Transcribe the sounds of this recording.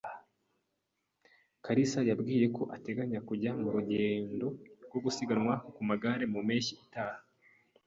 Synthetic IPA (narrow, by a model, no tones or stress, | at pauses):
kaɾisajabɡiːje̞ko̞ʔate̞ɡaɲakuɟamuɾuɟe̞ːndo̞ɾɡwo̞ɡusiɡanŋwakumaɡaɾe̞mumeːʃiitaːha